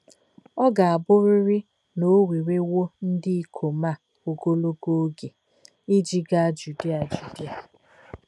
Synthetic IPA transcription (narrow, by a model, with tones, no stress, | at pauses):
ɔ˦ɡa˨a˨bʊ˦ɾɪ˦ɾɪ˦ | no˦wi˨ɾe˦wo˦n̩˦dɪ˦i˦kʰo˨ma˦˨ | o˨ɡo˦lo˦ɡo˦ɡe˨ | ɪ˦d͡ʒi˦ɡa˦˨d͡ʒu˨di˦a˨d͡ʒu˨di˦a˨